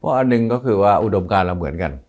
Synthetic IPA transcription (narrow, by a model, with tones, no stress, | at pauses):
pʰɔ˦˥ʔa˧˩nːɯ˧˩ŋkɔː˥˩kʰɯː˧waː˥˩ʔu˧˩do˧mkaː˧nla˧wmɯ˨˩˦ənka˧n